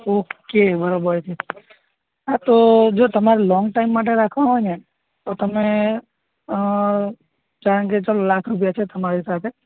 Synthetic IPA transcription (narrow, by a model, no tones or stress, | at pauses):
okebʱəɾobɦojt͡ʃʰe | at̪od͡ʒot̪əmaɾelɔ̃ŋɡʈaimːaʈ̬eɾakʰʋãɦojne | t̪ot̪əme | kaɾə̃ɳk̬et͡ʃəlolakʰɾup̬ijat͡ʃʰet̪əmaɾisat̪ʰe